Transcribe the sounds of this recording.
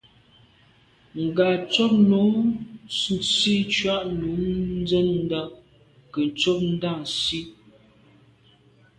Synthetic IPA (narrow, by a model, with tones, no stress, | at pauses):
ŋ̩˨ɡa˨t͡sɔ˦p̚no˨˦ | nsi˦t͡ʃwa˦ʔnu˨˦n˦d͡zɛ˦nn˦da˦ŋ | kə˨n˨t͡sɔ˦p̚n̩˦da˦˨ŋ˨si˦